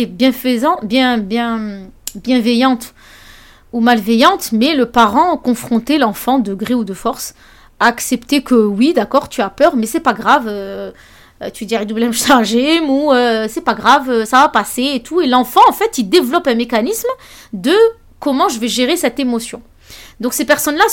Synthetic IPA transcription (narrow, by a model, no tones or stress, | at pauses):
ɛbjɛ̃fəzɑ̃bjɛ̃bjɛ̃bjɛ̃vɛjɑ̃t̪ | umalvɛjɑ̃t̪mɛləpaʁɑ̃kɔ̃fχɔ̃t̪elɑ̃fɑ̃d̪əɡʁeud̪əfɔʁs | aksɛpt̪ekʰəwid̪akɔʁt̪yapœʁmɛsɛpaɡʁavø | t̪yd̪iʁid̪ublɛmʃtãʒemuøsɛpaɡʁavøsavapaseet̪ʰuelɑ̃fɑ̃ɑ̃fɛt̪id̪evlɔpɛ̃mekanism | d̪ə | kɔmɑ̃ʒəvɛʒeʁesɛt̪emɔsjɔ̃ | d̪ɔ̃ksepɛʁsɔnla